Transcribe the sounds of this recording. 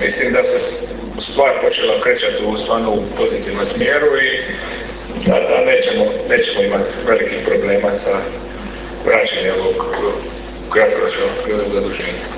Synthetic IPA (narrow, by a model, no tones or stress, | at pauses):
mislimd̪ase | st̪ʋaːɾpo̞t͡ʃelakɾeːt͡ʃat̪ust̪ʋaːɾnoupo̞zit̪iʋnomsmjeːɾui | d̪a̰d̪ane̞ːt͡ʃemone̞ːt͡ʃemoimat̪ʋe̞likixpɾo̞ble̞ːmasa | ʋɾaːt͡ʃaɲeoʋoɡ | kojapɾoʃaɡzad̪uʒeːɲe